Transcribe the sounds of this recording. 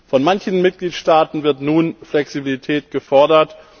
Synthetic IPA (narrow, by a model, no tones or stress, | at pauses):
fɔnmançn̩mɪt̚ɡ̥liːtʃtaːtn̩vɪɐtnuːnflɛksibilitʰɛːtɡ̥əfɔɐdɐt